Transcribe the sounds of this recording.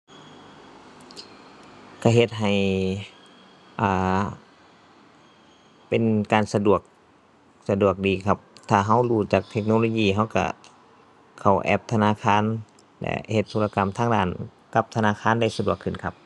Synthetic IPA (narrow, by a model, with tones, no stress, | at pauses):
kʰa˧˩ɦe˧t̪̚ɦa˨˩j | ʔaː˧˩ | pe˨nkaː˨nsa˧du˨˩ək̚ | sa˧du˨˩ək̚diː˨˩kʰa˧˥p̚t̪ʰaː˧˩ɦa˧˥˩wluː˧˩t͡ɕaː˨˩k̚t̪ʰe˧k̚noː˧loː˧˨jiː˧˩ɦa˧˥˨wka̰˧˩ | kʰa˨˩wʔɛ̰˧p̚t̪ʰa˧naː˧˥˨kʰaː˧˥˨n | lɛ̰˧˥he˧˩t̪ʰːoː˧la˧ka˨mt̪ʰaː˥˨ŋdaː˧˩n | ka˧˦p̚t̪ʰa˧naː˧˥˨kʰaː˧˥˨nda˧˨jsa˧du˨˩əkʰːɯ˨˩nkʰa˧˥p̚